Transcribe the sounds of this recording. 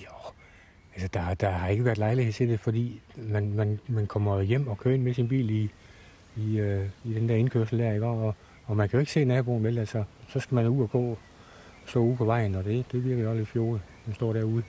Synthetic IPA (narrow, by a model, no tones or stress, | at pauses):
jo | ælsəd̥ɑ̈d̥ɑ̈hɑ̈e̝ɡ̥əʋæɐd̥lɑ̈ɪlihe̝t͡sʰe̝d̥efɒ̽d̥ḭːmænmænmænkʰɒ̽m̰ɐjem̰ɒ̽kʰøɐe̝nmesinb̥ḭːliː | øid̥end̥æɐe̝nkʰøɐsl̩d̥æɐiɡ̥ɒ̰ːɒ̽ː | mænkʰæjoe̝ɡ̥se̝̰ːnæb̥o̝ːnʋelælsɒsɒ̽sɡ̥æmænuð̰ˠɒɡ̥ɔ̰̽ː | sd̥ɔ̰̽ːuðˠpʰɒ̽ʋɑ̈ɪ̰n̩ɒd̥e̝d̥e̝ʋiɐɡ̥əliɒledfjo̝ːmensd̥ɒ̰ːɾæɐ̰uðˠ